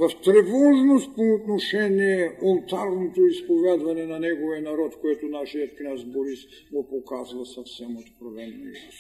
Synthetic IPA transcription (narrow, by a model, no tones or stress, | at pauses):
vaft̪ɾɛvɔʒnost̪̚poːt̪noʃɛniɛolˠt̪aɾnot̪oispovad̪vanɛnanɛɡoviɛnaɾɔt̪koɛt̪onaʃiat̪̚knazboɾis | ɡopokazvasafsɛmot̪pɾovɛnnḭot